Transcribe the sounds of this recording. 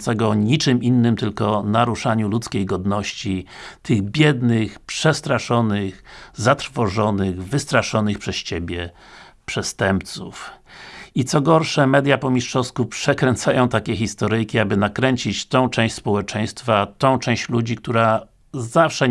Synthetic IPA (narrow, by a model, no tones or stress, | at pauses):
saɡɔɲit͡ʂɘminːɘmt̪ɘlkɔnaɾuʂaɲulut̪skʲejɡɔd̪nɔɕt͡ɕit̪ɘɣbʲjɛd̪nɘxpʂɛst̪ɾaʂɔnɘxzat̪ɾfɔʐɔnɘɣvɘst̪ɾaʂɔnɘxpʂɛsɕebʲjɛ | pʂɛst̪ɛmpt̪suf | it̪sɔɡɔɾʂɛmɛd̪japɔmʲiʂʂɔst̪̚kupʂɛkɾɛnt̪sajɔ̃w̃t̪akʲɛxʲist̪ɔɾɘjkʲiabɘnakɾɛɲt͡ɕit͡ɕt̪ɔ̃w̃t͡ʂɛ̃w̃ɕʲspɔwɛt͡ʂɛj̃st̪fat̪ɔ̃w̃t͡ʂɛ̃w̃ɕt͡ɕlud͡ʑik̚t̪uɾa | zafʂɛ